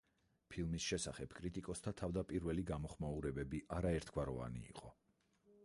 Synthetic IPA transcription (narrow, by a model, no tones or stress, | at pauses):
pʰilˠmisʃɛsaχɛb̥kʼɾit̪ʼikʼɔst̪ʰat̪ʰavd̪apʼiɾvɛliɡamɔχmauɾɛbɛbiʔaɾaɛɾt̪ʰɡ̥waɾɔ̰va̰nḭːqʼɔ